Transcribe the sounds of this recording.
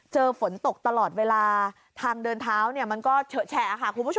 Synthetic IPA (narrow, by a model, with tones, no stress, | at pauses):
t͡ɕɤː˧fo˩˦nt̪o˨˩k̚t̪a˧lɔː˨˩t̪̚weː˧laː˧ | t̪ʰaː˧ŋdɤː˧nt̪ʰaː˦˥wni˥˩əma˧nkɔː˥˩t͡ɕʰːt͡ɕʰɛ˧˩a˨˩kʰa˥˩kʰu˧bʰ